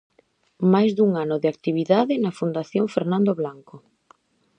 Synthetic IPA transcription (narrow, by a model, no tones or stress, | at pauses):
majzðuŋanʊðɪak̚t̪iβiðaðɪnɐfund̪aθjoŋfeɾnãnd̪oβlaŋko